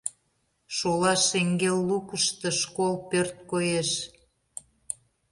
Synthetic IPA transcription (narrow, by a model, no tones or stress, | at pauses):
ʃolɑʃeŋɡelːukəʃt̪ə̆ʃkolpørt̪̚kojeʃ